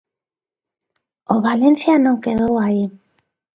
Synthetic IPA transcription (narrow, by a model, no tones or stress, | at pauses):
oβalensianoŋkeðowai